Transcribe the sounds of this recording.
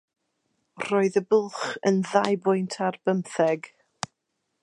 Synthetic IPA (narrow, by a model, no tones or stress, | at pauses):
r̥oɨðəbʊlˠχənðajbʊjntʰarbəmθɛɡ